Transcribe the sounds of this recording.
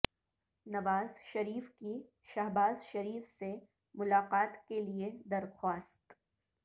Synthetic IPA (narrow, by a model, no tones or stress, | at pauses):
nɐʋaːzʃɐɾiːfki | ʃaɦbaːzʃɐɾiːfse | mʊlaːqaːt̪kelied̪ɐɾxwaːst̪